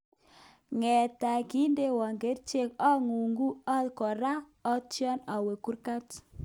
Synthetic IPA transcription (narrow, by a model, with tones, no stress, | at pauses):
ŋɛ˨ta˨ki˦nde˦wɔ˨ŋɡe˨˦ɾt͡ʃe˦˨kɔ˦ŋu˨ŋɡu˦a˦lkɔ˨ɾa˦ | ɔ˦t͡ʃjɔ˦na˨we˨ku˦ɾka˦t